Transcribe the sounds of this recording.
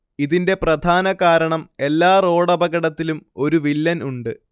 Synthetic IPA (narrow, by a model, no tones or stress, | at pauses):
iðinde̞prɐd̪ʱaːnɐkaːɾɐɳɐme̞lːaːro̞ːɽɐbɐɣɐɽɐt̪ːilumo̞ɾuʋilːɐnuɳɖɨ